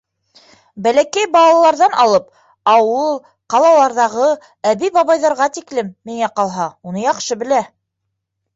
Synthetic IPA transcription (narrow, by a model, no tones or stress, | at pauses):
bælækæjbɑlˠɑlˠɑɾðɑnɑ̰lˠɤp | ɑwɤlˠ | qɑlˠɑlˠɑɾðɑʁɤ | æβijbɑβɑjðɑɾʁɑt̪iklɘmːiŋæqɑlˠɦɑunɤjɑqʃɤbɘ̆læ